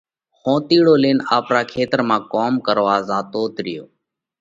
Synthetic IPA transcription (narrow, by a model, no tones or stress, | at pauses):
xõːt̪iːɽoːleːnaːpɾaːkʰeːt̪ɾmãːkoːmkəɾʋaːzaːt̪oːt̪ɾɪjoː